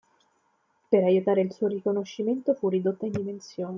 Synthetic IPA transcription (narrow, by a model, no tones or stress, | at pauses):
peɾajut̪aːɾeilsuːoɾikonoʃːiment̪ofurːid̪ot̪ːaind̪imensjoːne